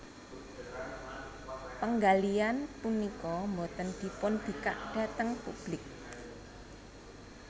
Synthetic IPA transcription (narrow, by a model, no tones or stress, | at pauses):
pəŋɡalianpunikɔmbot̪ənd̪̥i̤pʊnd̪̥i̤ka̰ʔdɖ̥a̤t̪əŋpṵb̥lɪk̚